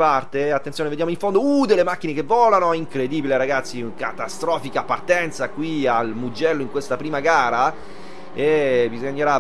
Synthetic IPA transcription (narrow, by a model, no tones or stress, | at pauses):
part̪eat̪ːent̪joːneved̪jamoiɱfond̪oud̪elemakːinekevːɔːlanoɛiŋkɾed̪ibileɾaɡat̪sːiŋka̰t̪ast̪ɾɔːfikapart̪ɛnt̪sakwialmud͡ʒɛlːoiŋkwest̪apɾiːmaɡaːɾa | ebizoɲːeɾa